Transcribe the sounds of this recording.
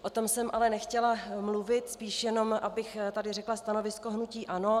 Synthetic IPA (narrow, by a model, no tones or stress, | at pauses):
ʔot̪o̞msɛmʔalɛnɛxcɛlamluvɪt̪spiːʃjɛno̞mʔabɪxt̪adɪrɛklast̪ano̞vɪsko̞ɦnuciːʔano̞